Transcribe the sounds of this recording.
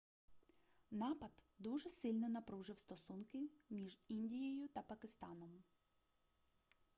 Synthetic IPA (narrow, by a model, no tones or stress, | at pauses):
nɑpɐd̪d̪uʒɛsɪlʲnɔnɐpɾuʒɪwst̪ɔsunkɪmʲiʒinʲdʲijɛjʊt̪ɐpɐkɪst̪ɑnɔm